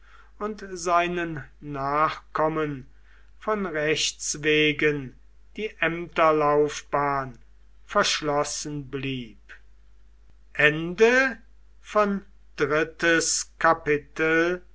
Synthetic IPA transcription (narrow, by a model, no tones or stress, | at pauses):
ʊntzaɪnənːaːχkʰɔmən | fɔnʁɛʃtsveːɡən | d̥iːʔɛmtɐlaʊfb̥aːn | fɛɐʃlɔsən̩bliːp | ʔɛndə | fɔn | d̥ʁɪtəskapɪtəl